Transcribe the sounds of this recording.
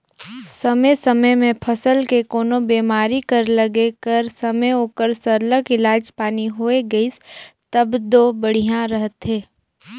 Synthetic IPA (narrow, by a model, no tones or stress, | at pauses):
sɐmejsəməjmẽpʰɐsəlkekoːnobeːmaːɾikəɾləɡekəɾsɐməjoːkəɾsəɾləkɪlaːd͡ʒpaːniɦoːeɡɐist̪ɐbd̪oːbəɽ̤ijãɾəɦət̪ɦeː